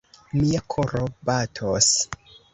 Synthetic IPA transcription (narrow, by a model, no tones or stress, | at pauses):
miakʰoɾobatʰos